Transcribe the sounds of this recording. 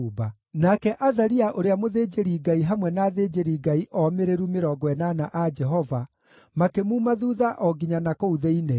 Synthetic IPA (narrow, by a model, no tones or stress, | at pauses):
ba | nakɛʔaðaɾiaʔoɾeamoðed͡ʒeɾiɡaiɦamwɛnaːðed͡ʒeɾiɡaiʔɔmeɾeɾumeɾɔɡwɛnanaʔad͡ʒɛɦɔva | makemuːmaðuðaʔɔɡiɲanakouðeine